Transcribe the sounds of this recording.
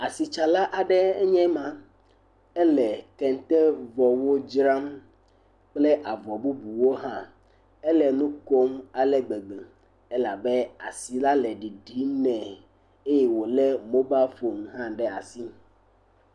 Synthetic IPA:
a˨si˨t͡ʃa˨la˦ʔa˨ɖɛ˦ɛ˦ɲɛ̃˦mã˨ | ɛ˦lɛ˨kɛ˨n˦t̪ɛ˦vɔ˨wo˦d͡ʒɾa˦m | k͡plɛ˦ʔa˨vɔ˨bu˦bu˨wo˦ɦã˦ | ɛ˦lɛ˨nũ˦ko˦ma˨lɛ˨ɡ͡be˨ɡ͡be˨ | ɛ˦la˨bɛ˦a̰˨si˨la˦lɛ˨ɖi˨ɖi˦nɛ̃˨ | e˦jɛ˨wo˨lɛ˦mõ˦ba˦fo˨m˨ɦã˦ɖɛ˦a˨si˦

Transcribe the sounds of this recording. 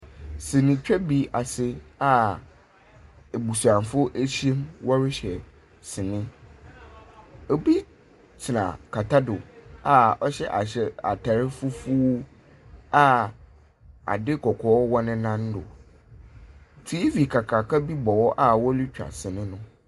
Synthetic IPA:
sɪ̃˨nɪ̃˨t͡ɕᶣɛ˦bi˦a˨sɪ˦a˨ | e˨bu˨sã˨m˨fʊ˦ʔe˦ɕẽ˦mwɔ˦ɾɪ˦ɕɛ˨ | sɪ˨nɪ̃˦ | ɔ˨bi˦ | t͡sʰɪ˨nã̰˨kʰa˨tʰa˦dʊ˨a˨ɔ˦ɕɛ˦ʔa˨ɕɛ˨a˨tʰa˨ɾɪ˦fʊ˦fu˦ | a˨ | a̰˨dɪ˦kɔ˨kʰɔː˨˦wɔ˦nɪ̃˦nã˦n˦dʊ̰˨ | tʰi˦i˦fi˨kʰa˨kʰa˨kʰa˦bi˦bɔ˨wɔ˦ʔa˨wɔ˦li˦t͡ɕᶣa̰˨sɪ˨nɪ̃˦nʊ̃˦

